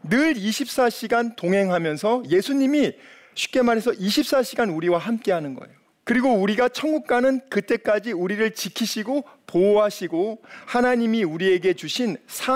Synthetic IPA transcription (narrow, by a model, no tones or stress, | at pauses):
nɯɾiɕʰip̚s͈aɕʰiɡantoŋɦe̞ŋɦamjʌnsʰʌje̞sʰuɲimi | ɕʰi̥p̚k͈e̞maɾɦe̞sʰʌʔiɕʰip̚s͈aɕʰiɡanuɾiwaɦamk͈e̞ɦanɯnɡʌ̰e̞̰jo | kɯɾiɡouɾiɡat͡ɕʰʌnɡuk̚k͈anɯnkɯt͈e̞k͈ad͡ʑiuɾiɾɯɭt͡ɕikʰiɕʰiɡopoɦaɕʰiɡohanaɲimiuɾie̞ɡe̞t͡ɕuɕʰinsʰa